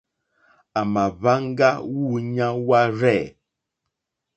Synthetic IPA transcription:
a˨ma˨βa˦ŋ˦ɡa˦wu˦˨ɲa˦wa˦ɾɛ˦˨

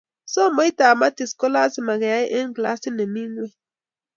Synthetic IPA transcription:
so˦mo˦jt̪aː˨ma˦t̪i˨sko˦la˦sima˨ɣe˨a˦jʔe˦ŋkla˦si˦ne˨mi˦nwe

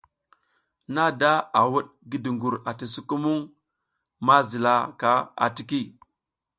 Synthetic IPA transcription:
na˦da˦a˨wu˦ɗ | ɡi˦di˨ŋɡu˨ɾa˨ti˨su˦ku˦mu˦ŋ | ma˦zi˨la˦ka˦a̰˨ti˨ki˦˨

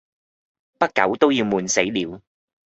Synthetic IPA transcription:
pɐ˥t̚kɐ̰˨˥wt̪o˥wjiː˧wmuː˨˧nse˨˥jliː˨˧w

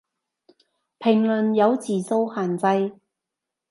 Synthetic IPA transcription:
pʰɪ˨˩ŋlɵ˨˩njɐ˨˧wt͡siː˨so˧whaː˨˩nt͡sɐ˧j

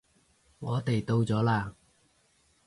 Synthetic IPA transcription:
ŋɔː˨˧t̪e˨jt̪o˧wt͡sɔː˨˥laː˧

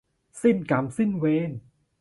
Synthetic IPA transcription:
si˥˩nka˨˦msi˥˩nweː˧˥n

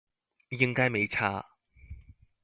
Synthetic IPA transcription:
jɪ˥ŋkaː˥jme˨˧jt͡sʰaː˥

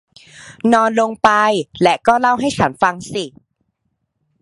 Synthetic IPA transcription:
nɔː˧nlo˧ŋpa˧jlɛ˦˥kɔː˥˩la˥˩wɦa˥˩jt͡ɕʰa˦˥nfa˧ŋsi˨˩

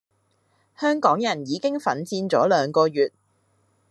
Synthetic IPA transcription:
hœː˥ŋkɔː˨˥ŋjɐ˨˩njiː˨˧kɪ˥ŋfɐ˨˥nt͡siː˧nt͡sɔ̰ː˨˥lœː˨˧ŋkɔː˧jyː˨t̚

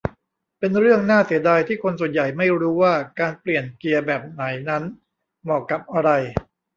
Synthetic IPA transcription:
pe˧nɾɯ˥˩əŋnaː˥˩si˩˦ɐdaː˧jt̪ʰiː˥˩kʰo˧nsu˨˩ənja˨˩jma˥˩jɾuː˦˥waː˥˩kaː˧npli˨˩ənki˧ɐbɛː˨˩p̚na˩˦jna˦˥n | mɔː˨˩kːa˨˩p̚ʔa˧ɾa˧j

